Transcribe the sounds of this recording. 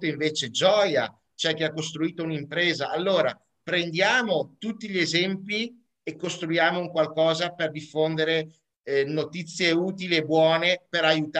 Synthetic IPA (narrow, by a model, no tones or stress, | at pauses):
t̪oiɱveːt͡ʃed͡ʒɔːja̰ | t͡ʃoɛk̟ːeakːost̪ɾuiːt̪ounimpɾeːzaʔalːoːɾa̰ | pɾend̪jaːmot̪ut̪ːiʎiezɛmpi | ekːost̪ɾujaːmouŋkwalkɔːzaperd̪ifːond̪eɾe | not̪it̪sːjeuːt̪iliebwɔːnepeɾajut̪